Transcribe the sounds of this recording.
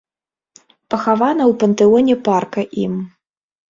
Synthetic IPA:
pɐxavanɐwpɐnt̪ɨɔnʲɛparkɐʔim

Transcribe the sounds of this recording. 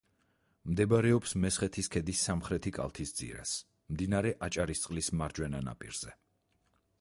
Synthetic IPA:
md̪ɛbaɾɛɔpsmɛsχɛt̪ʰiskʰɛd̪isːamχɾɛt̪ʰikʼa̰lˠt̪ʰisd̪z̥ḭɾa̰s | md̪inaɾɛʔat͡ʃʼaɾist̪sʼqʼlismaɾd͡ʒwɛnana̰pʼḭɾz̥ɛ

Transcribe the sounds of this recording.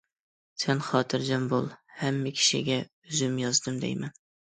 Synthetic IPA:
sʰɛnχɑːt̪ʰɨɾd͡ʒɛmbolˠhæmːɪkʲʰi̥ʃɪ̰ɡʲɛ | yzɪmjɑzd̪ɨmd̪ɛ̰jmɛn

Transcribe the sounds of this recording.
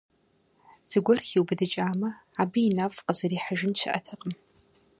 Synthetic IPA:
z̥ɨɡʷɔrxiwbɨdɨt͡ʃʼaːmɐ | aːbiinafʼqəzɐriːħaʒɪnʃʷʰɪ̰ʔɐ̰tʰɨqʼəm

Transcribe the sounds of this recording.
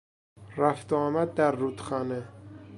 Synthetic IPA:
ræft̪ɑːmæd̪̚ːæɾːuːt̪xɑːne

